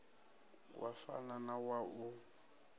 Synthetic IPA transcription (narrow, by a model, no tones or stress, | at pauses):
wʔa̰fa̰nanawaʔu